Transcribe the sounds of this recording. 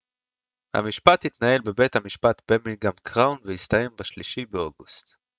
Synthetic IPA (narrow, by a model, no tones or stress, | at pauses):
ha̰miʃpat̪hit̪nae̞lbe̞bethamiʃpat̪bemilɡamkʁawnvehist̪aje̞mbaʃliʃibeoɡust̪